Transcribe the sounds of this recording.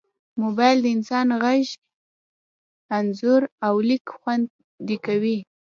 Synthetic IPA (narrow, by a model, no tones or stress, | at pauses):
mobɑjld̪əɪnsɑnɣaʒ | anzʊɾawlikxwand̪ | d̪ikawi